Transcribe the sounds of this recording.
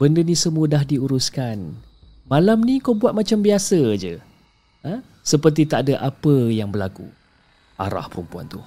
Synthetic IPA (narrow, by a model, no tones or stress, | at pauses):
bəndənĩsəmudahdiuɾuskan | malamnĩkabuat̪̚mat͡ʃambiasəd͡ʒə | ə | səpərt̪̬it̪aʔdəʔapəjaŋbərlakṵ | ʔa̰ɾa̰hpəɾumpua̰nt̪u